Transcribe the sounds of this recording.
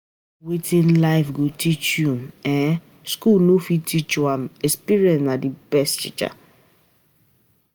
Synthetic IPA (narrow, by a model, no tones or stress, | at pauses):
witĩnlaɪfɡotʰit͡ʃjũmɛ̃ | skulnofitʰit͡ʃãmɛspiɹiɛ̃nnadibɛsttḭt͡ʃa̰